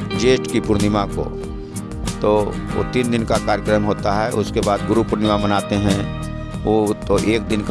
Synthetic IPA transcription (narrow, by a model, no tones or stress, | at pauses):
d͡ʒeːsʈkipʊɾnɪmako̰ | t̪o | o̰t̪iːnd̪ɪnkakaːɾjəkɾəmɦoːt̪aɦɛʔʊskebaːd̪ɡʊɾupʊɾnɪmamənaːt̪eɦɛ̃ | ot̪oʔeːk̚d̪ɪnk